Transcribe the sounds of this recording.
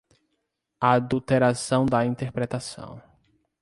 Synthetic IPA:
aad̪ut̪eɾasɐ̃w̃d̪ɐĩt̪eɾpɾɛt̪asɐ̰̃w̃

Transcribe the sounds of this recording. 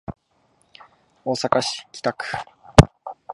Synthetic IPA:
oːsakaɕi̥kʲi̥t̪akɯ̥

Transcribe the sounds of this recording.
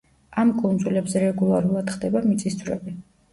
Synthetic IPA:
amkʼund̪zulɛbzɛɾɛɡulˠaɾulˠad̪̥χd̪ɛbamit̪sʼisd̪zvɾɛ̰bi

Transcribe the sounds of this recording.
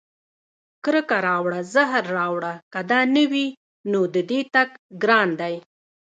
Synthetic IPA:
kɾəkaɾɑwɽazaɦɾːɑwɽakad̪ɑnəwi | nod̪əd̪et̪aɡɡɾɑnd̪aj

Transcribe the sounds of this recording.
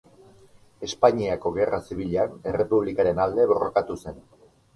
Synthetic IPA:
e̞spaɲiako̞ɣe̞rʔasiβ̞iʎane̞re̞puβ̞likaɾe̞nald̪e̞βo̞ro̰kat̪use̞n

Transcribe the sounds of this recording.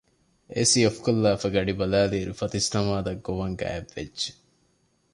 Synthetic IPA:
ḛsiofkolːaːfɐɡɐɖibɐlæːliːɾufɐt̪ist̪ɐmaːd̪ɐɡːoʋɐŋɡæ̰ːeʋːḛd͡ʒd͡ʒʒe̥

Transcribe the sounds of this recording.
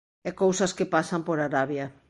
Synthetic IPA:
ɛkowsɐskepasɐmpoɾaɾaβjɐ

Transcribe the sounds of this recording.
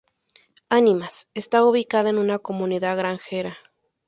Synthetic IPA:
animasest̪auβikaðaenunakomuniðaɣɾaŋxeɾa

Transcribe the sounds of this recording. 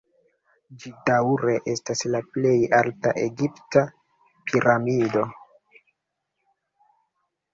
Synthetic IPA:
d͡ʒidawɾe̞ʔe̞staslaple̞jaltaʔe̞ɡipta | pʰiɾamido̞

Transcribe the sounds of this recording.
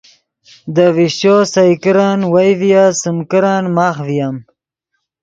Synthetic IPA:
d̪əviɕosɐjkiɾaːnwajvijasumkiɾaːnmaːxvijam

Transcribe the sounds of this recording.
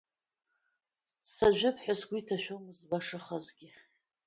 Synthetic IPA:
saʒᶣɪpʰħʷᶣasɡʷitʰaʃᶣomɨzbaʂɨχazɡʲɪ

